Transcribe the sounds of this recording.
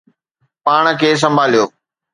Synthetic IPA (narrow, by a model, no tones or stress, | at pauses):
paːɽ̃əkʰeːs̬ɐ̃mbʱaːlijoː